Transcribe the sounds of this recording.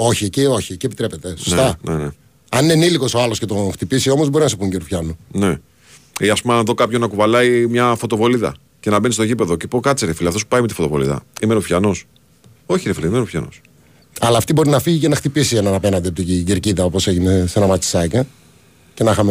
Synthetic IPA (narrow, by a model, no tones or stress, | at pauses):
o̞çicio̞çiecie̞pit̪ɾe̞pe̞t̪esost̪ɐnene | ɐnneniliko̞soɐlo̞scet̪oxt̪ipisiomozbo̞ɾinɐsupuɲɟeɾufçɐnune | iɐspumeɐnðo̞kɐpçonɐkuvɐlɐimɲɐfo̞t̪o̞vo̞liðɐ̰ | cenɐbe̞nist̪o̞ʝipe̞ðo̞cepokɐtt͡siɾefiliɐft̪osu̥pɐimet̪ifo̞t̪ovo̞lḭðɐ̰imenofçanos | o̞çiɾefiliimenofçɐ̰no̰s | ɐlɐːft̪ibo̞ɾinɐfiʝicenɐxt̪ipisienɐnɐpe̞nɐnd̪eɐp̚t̪iciɟeɾciðɐo̞po̞se̞ʝine̞senɐmɐt͡si̥sɐce | cenɐxɐme